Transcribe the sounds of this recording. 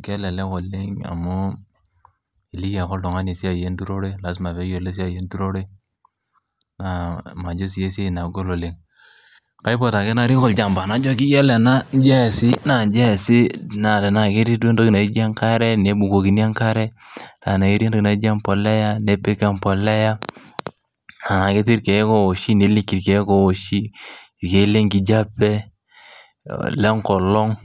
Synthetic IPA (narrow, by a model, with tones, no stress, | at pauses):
kɛ˦lɛ˨lɛ˦kɔ˨lɪ˦ŋa̰˨mu˦ | i˨li˦ka˨kɔ˦ltɔ˨ŋa˦ne˨si˦a˨je˦n˦tu˦ɾo˦ɾe˦la˨˦s̬ma˨pɛ˨˦jo˨le˦s̬i˦a˨je˦n˦tu˦ɾo˦ɾe˦ | na˨ma˨d͡ʒo˦s̬je˦se˦˨na˨ɡo˦lo˨lɪ˨ŋ | ka˨˦i˦pɔ˨ta˨kɛ˦na˦ɾi˦kɔ˨ld͡ʒa˨mba˨na˨˦d͡ʒɔ˦k̬i˦jɛ˦lɛ˨na˦n˦d͡ʒɛ˦˨sɪ˦na˨n˦d͡ʒɛ˦˨sɪ˦˨na˨tɛ˨na˨ke˦ɾi˦te˦ndo˦ki˨na˨i˦d͡ʒa˦ŋka˦ɾɛ˦ne˨˦bu˨ɡo˨ki˨n˦a˦ŋka˦ɾɛ˦ | ta˨na˨ke˦ɾe˦ndo˦ki˨na˨˦d͡ʒa˦mpɔ˨lɛ˦ja˦ne˦pe˦ka˦˨mpɔ˨lɛ˦ja˦ | a˨na˨ke˦ti˦ɾke˨˦ko˦˨o˨ʃi˦ne˨li˦ki˨ɾke˨˦ko˨o˨ʃi˦ | i˨ke˨˦le˦ŋki˨d͡ʒa˦pːɛ˦ | lɛ˦ŋkɔ˨lɔ˦ŋ